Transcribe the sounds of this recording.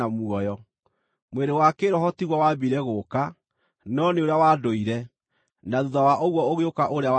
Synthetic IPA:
amuɔjɔ | mweɾewakeɾɔɦɔtiɣwɔwabiɾɛɣoːka | nɔneoɾeawaːdoiɾɛ | naðuðawaʔoɣwɔoɣeokaʔoɾea

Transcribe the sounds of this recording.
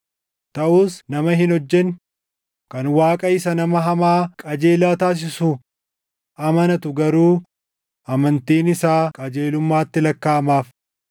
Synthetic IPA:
t̪ɐʔuːsnɐmɐɦɪnɔd͡ʒːɛn | kɐnwaːkʼɐɪsɐnɐmɐɦɐmaːkʼɐd͡ʒeːlaːt̪aːs̬ɪsu | ʔɐmɐnɐt̪ʊɡɐɾuː | ʔɐmɐnt̪iːnɪsaːkʼɐd͡ʒeːlʊmːaːt̪ːɪlɐkːaːmaːf

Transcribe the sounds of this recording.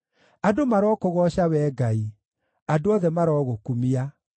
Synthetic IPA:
adomaɾɔːkoɣɔɕawɛːɡai | adoɔðɛmaɾɔːɣokumia

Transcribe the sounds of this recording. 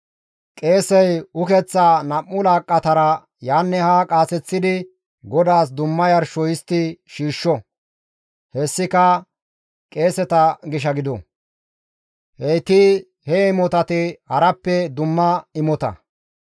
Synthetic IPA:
kʼe̞ːsɛjʊkɛt͡sːanɐmːʊlaːkʼːɐt̪ɐɾɐ | jaːnːɛhakʼaːsɛt͡sːɪd̪ɪ | ɡɔd̪aːs̬d̪ʊmːɐjɐɾʃɔjɪst̪ɪʃiːʃːɔ | hɛsːɪkɐ | kʼe̞ːsɛt̪ɐɡɪʃ̬ɐɡɪd̪ɔ | hɛjt̪ɪ | hɛɪmɔt̪ɐt̪ɪhɐɾɐpːɛd̪ʊmːɐɪmɔt̪ɐ̰

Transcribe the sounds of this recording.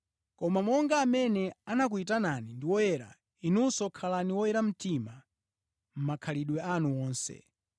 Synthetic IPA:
kɔmamɔŋɡaːmɛnɛanak̬uitananindiwɔjɛɾa̰ | inusɔkʰalaniwɔjɛɾam̩tima | m̩makʰaliɗwɛanuwɔːnsɛ̰

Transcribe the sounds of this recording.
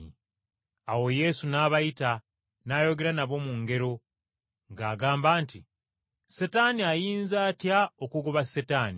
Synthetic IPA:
awo̞je̞sunaːβajita | naːjo̞ɡe̞ɾanaβo̞muŋɡe̞ɾo̞ | ŋɡaːɡaːmbaːnti | setaniajiːnzaːtjaokuɡoβasetaːni

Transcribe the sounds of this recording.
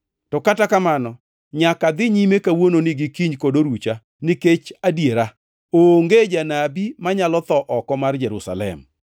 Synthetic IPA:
tɔkatakamanɔ | ɲakad̪ɪɲimekawononɪɡɪkiɲkodoɾut͡ʃa | nɪket͡ʃadjeɾa | oŋɡed͡ʒanabimaɲalɔt̪ɔʔɔkɔmard͡ʒɛɾusa̰lɛ̰m

